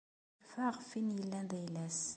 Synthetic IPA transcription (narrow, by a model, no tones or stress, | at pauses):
fæʁfinjəlːænd̪æjlæs